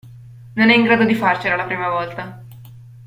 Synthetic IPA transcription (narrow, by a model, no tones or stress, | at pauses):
nəneŋkɾat̪əd̪ʱiːfaɾt͡ɕəɾalapɾemaʋaʋəlt̪a